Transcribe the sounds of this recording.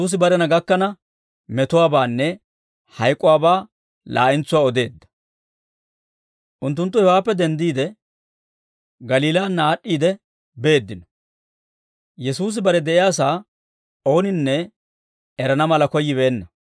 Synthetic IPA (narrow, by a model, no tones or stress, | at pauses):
uːs̬ɪbɐɾɛnɐɡɐkːɐnɐ | mɛt̪ʊwaːbaːnːɛ | hɐjkʼːʊwaːbaː | lʔa̰ːʔɪnt͡sʊwaːɔd̪e̞ːd̪ːɐ̥ | ʔʊnt̪ːʊnt̪ːʊhɛwaːpːɛd̪ɛnd̪iːd̪ɛ | ɡɐliːlaːnːaːɗːiːd̪ɛ | be̞ːd̪ːɪnɔ̥ | jɛsuːs̬ɪbɐɾɛd̪ɛʔɪjaːsaː | o̞ːnɪnːɛ | ɛɾɐnɐmɐlɐkɔjːɪβeːnːɐ